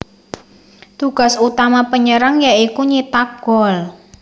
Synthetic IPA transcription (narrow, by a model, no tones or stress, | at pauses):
t̪uɡ̥a̤sut̪amapəɲəɾaŋjaikuɲit̪aɡ̥ɔl